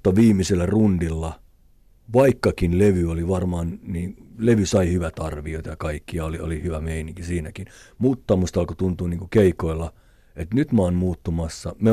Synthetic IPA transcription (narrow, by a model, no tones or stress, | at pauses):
t̪ːɑʋiːmiselːærundilːɑ | ʋɑikːɑkinleʋyoliʋɑrmɑːnniːleʋysɑihyʋæt̪ɑrʋiot̪ɑjɑkɑikːiɑolio̰lihyʋæmeiniŋkisiːnækin | mut̪ːɑmust̪ɑlkot̪unt̪uːnniːŋkukeikoilːɑ | et̪nyt̪mɑnmuːt̪ːumɑsːɑme